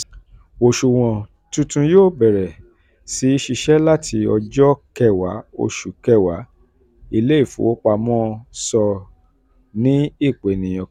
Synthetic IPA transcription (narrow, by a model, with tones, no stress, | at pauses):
o˨ʃu˨w̃ɔ̃˨ | tũ˧tũ˧joː˦˨bɛ˨ɾɛ˨ | si˨˦i˦ʃi˧ʃɛ˦la˦tʰi˧ɔ˧d͡ʒɔ˦kɛ˦˧˨wa˨˦o̰˧ʃu˨kɛ˦˨wa˨˦ | i˦˧le˦i˦˨fṵ̃˨˦o˦k͡pa˧mɔ̃ː˦sɔ˧ | nĩ˦i˦˨k͡pe˨nĩ˨j̃ɔ̃˨